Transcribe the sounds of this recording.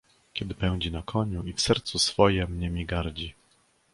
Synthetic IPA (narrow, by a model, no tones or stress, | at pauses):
kʲɛd̪ɘpɛw̃d͡ʑinakʰɔɲuifsɛɾt̪susfɔjɛmɲɛmʲiɡaɾd͡ʑi